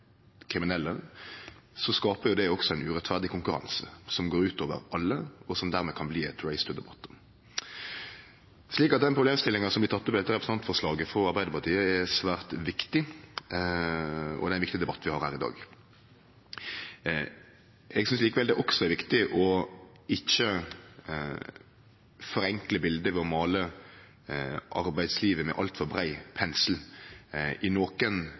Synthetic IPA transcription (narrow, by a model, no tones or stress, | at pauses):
kʰɾɪmɪnɛlːə | sɔskɑːpəɾjʊd̪ɛɔksɔæɪnʉɾɛt̪ːfæʁd̪ɪkʊŋkʉɾɑ̰nsə̰sɔmɡoːɾʉːt̪oːʋə̰ɾɑlːəɔsɔmd̪æːʁmɛkʰɑnbliːɛt̪ɾæɪst̪ʉd̪ɛbɑt̪ː | ʂɭiːkɑt̪̚d̪ɛnpʰɾʊbleːmst̪ɪlːɪŋɑnsɔmblɪt̪ɑt̪ːɔpd̪ɛt̪ːəɾɛpɾɛsnɑnt̪fɔɾslɑːɡəfɾɔɑɾbæɪd̪əɾpɑʁt̪ʰiːəɛsʋæːɾt̪ʋɪkt̪ɪ | ɔ̰d̪ɛænɪkt̪ɪd̪ɛbɑt̪ːʋɪhɑɾhæ̰ːɾɪd̪ɑ̰ːɡ | ɛɡsʏnsliːkəʋɛld̪ɛʔɔksɔɛɾʋɪkt̪ɪʔɔ | ɪçːə | fɔɾɛŋkləbɪld̪əʋɛɔmɑːlə | ʔɑ̰ɾbæɪd̪sliːʋəmɛ̰ʔɑ̰lt̪fɔɾbɾæɪpʰɛnsl̩ | ɪnoːkən